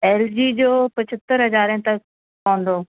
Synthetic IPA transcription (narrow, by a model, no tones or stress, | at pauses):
ɛːld͡ʑiːd͡ʑoːpɐt͡ɕʰət̪ːəɾɦɐzaːɾə̃t̪ɐk̚ | pãːnd̪oː